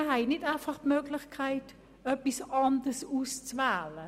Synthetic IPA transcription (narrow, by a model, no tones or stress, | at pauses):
əhɛɪnɪdaɪfɑχtmøːɡlɪχkʰaɪt | œpisɑndəsust͡svæːlə